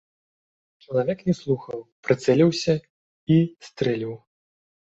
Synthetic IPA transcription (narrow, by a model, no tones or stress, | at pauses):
t͡ʂɐlˠavʲɛknʲɛslˠuxɐwpɾɨt̪sɛlʲiwsʲɐ | ist̪ɾɛlʲiw